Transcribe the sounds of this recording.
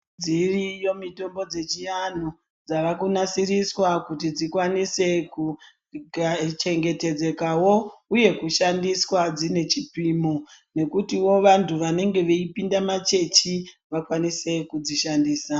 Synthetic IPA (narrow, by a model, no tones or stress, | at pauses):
d͡zirijo̞mito̞mbo̞d͡ze̞t͡ʃijan̤o | d͡zaʋakunasiriswakut̬id͡zikwanise̞ku | ɡat͡ʃe̞ŋɡe̞te̞d͡ze̞kawo̞uje̞kuʃandiswad͡zine̞t͡ʃipimone̞kutiwo̞ʋantʰuʋane̞ŋɡe̞ʋeipindamat͡ʃe̞t͡ʃi | ʋakwanise̞kud͡ziʃandiːsa